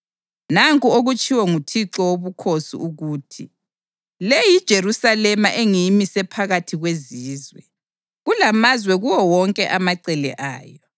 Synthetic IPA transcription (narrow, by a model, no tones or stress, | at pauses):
naŋkʼuoɣut͡ʃʼʰiwɛŋutʰiǁɔwoβukʰosḭuɣuːtʰi | lejid̥ʒ̥ʱeɾusalɛmaʔeŋijimisɛpʰaɣatʰiɣweziːzwɛ̰ | ɣulamazwɛɣuwɔwɔŋkʼɛʔamaǀɛlɛ̰ʔa̰ːjɔ